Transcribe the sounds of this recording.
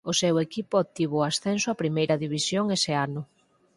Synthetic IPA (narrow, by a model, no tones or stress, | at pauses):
ʊsɛwekipʊot̪iβ̞oasθɛnsʊapɾimejɾɐðiβisjoŋesɪanʊ